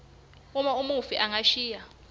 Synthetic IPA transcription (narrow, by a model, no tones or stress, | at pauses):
umaumufiʔaŋaʃiːja